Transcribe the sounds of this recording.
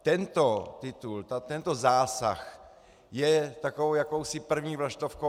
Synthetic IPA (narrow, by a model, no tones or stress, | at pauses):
t̪ɛnt̪ot̪ɪt̪ult̪at̪ɛnt̪ozaːsa̰x | jɛt̪akoowjakowsipr̩vɲiːvlaʃt̪ofko